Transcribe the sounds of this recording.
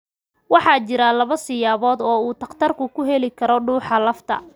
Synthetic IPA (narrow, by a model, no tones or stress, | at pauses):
wɑħɑːt͡ʃɪɾɐlɐβɐsɪjaːβɔːd̪ɔːuːt̪ʰɐqt̪ʰɐrkʰʊkʰʊɦɛlɪkʰɐɾɔɖuːħɑlɐft̪ʰɐ̰